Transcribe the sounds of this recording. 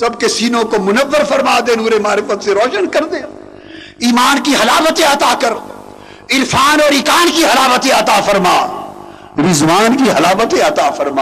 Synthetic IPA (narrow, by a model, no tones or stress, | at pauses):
sɐb̚kesiːnõkomʊnəʋːəɾfɐɾmaːd̪ẽnuːɾemaːɾɪfət̪seɾɔːʃənkɐɾd̪ẽː | iːmaːnkiɦɐlaːbət̪ẽɐt̪akɐɾ | ɪlfaːnɔːɾɪkaːnkiɦɐlaːbət̪ẽɐt̪aːfɐɾmaː | ɾɪzʋaːnkiɦɐlaːbət̪ẽɐt̪aːfɐɾmaː